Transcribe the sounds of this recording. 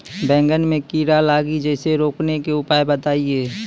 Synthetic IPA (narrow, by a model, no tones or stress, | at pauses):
bɛ̃ːŋɡənmẽkiːɾalaːɡid͡ʒɛːseɾoːknekeʊpaːebət̪aːieː